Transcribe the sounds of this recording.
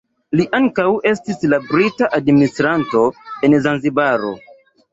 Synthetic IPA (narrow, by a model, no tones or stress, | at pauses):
liʔaŋkawe̞stislabɾitaʔadministɾanto̞e̞nzanzibaɾo̞̰